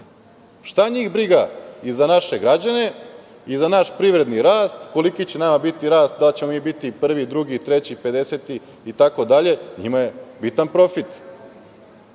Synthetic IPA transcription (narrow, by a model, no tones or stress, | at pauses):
ʃt̪aɲiːxbɾiɡaizanaʃe̞ɡɾad͡ʑane̞ | izanaʃpɾiʋɾe̞d̪niɾaːst̪ko̞likit͡ɕenamabit̪iɾaːst̪̚d̪alt͡ɕe̞mo̞miːbit̪ipr̩ʋid̪ɾuɡit̪ɾe̞t͡ɕipe̞d̪e̞set̪iː | t̪ako̞d̪aʎe̞ɲimaje̞bit̪anpɾo̞fit̪